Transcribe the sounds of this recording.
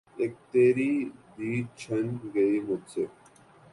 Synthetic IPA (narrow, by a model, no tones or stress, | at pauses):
eːk̚t̪eːɾid̪iːt͡ɕʰɐnɡɐiːmʊd̪se